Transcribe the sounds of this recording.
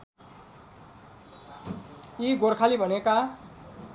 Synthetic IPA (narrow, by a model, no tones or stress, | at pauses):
iɡorkʰalibʱʌneka